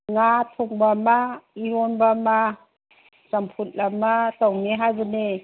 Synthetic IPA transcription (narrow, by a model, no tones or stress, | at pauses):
ŋatʰɔŋbamaiɾɔnbama | sampʰut̚lamatawneɦazane